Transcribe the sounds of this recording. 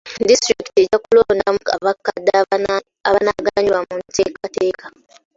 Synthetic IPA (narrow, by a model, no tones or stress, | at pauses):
distɾiki̥tieɟakuloːndamukaβakːadːa | aβanaɡaɲiwamunteːkate̞ːkʰa